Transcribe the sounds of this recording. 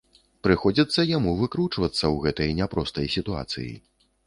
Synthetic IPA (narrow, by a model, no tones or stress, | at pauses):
pɾɨxɔd͡zʲit̪sːɐjamuvɨkɾut͡ʂvɐt̪sːɐwɣɛt̪ɐjnʲapɾɔst̪ɐjsʲit̪ua̰t̪sɨ̰jḭ